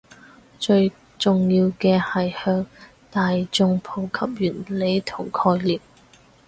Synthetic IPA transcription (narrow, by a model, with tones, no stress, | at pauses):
t͡ʃɵ˧ɥ | t͡sʊ˨ŋjiː˧wkɛː˧hɐ˨jhœː˧ŋ | t̪aː˨jt͡sʊ˧ŋpʰo˨˧˩wkʰɐ˥p̚jyː˨˩nle˨˧˥jt̪ʰʊ˨˩ŋkʰɔː˧jliː˨˩p̚